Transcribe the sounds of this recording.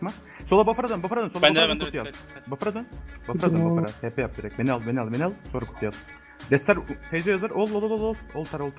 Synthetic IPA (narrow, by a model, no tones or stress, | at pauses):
ma | solˠabafaɾad̪ønbafaɾad̪ønsolˠbakkut̪ːijalˠbafaɾad̪ønbafɾad̪nbafaɾahɛpʰɛjap̚d̪iɾɛcmenʲalˠmenalʲˠmenalˠsoɾakʰu̥t̪ʰːijalˠ | d̪ɛst̪ːæɾt̪ʰejd͡ʒejazaɾʔolˠolˠolˠolˠolˠolˠt̪ʰaɾolˠt̪ʰ